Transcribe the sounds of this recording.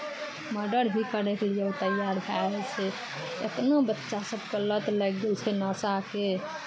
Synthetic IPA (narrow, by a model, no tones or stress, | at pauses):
məɾɖəɾbʱikəɾeklijəwt̪əjaɾbʱaesʰe | ḛt̪nobətːʃasəb̚kələt̪ləɡɡelt͡ʃʰɛnəsake